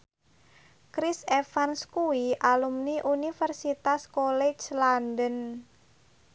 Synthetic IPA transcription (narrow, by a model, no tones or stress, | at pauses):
kɾisefanskuwiʔalumniʔunifərsit̪askolɛt͡ʃlandən